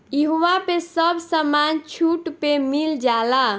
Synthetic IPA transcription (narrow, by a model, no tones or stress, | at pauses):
jiɦoʋapesəbsəmant͡ʃʰuʈpemild͡ʒala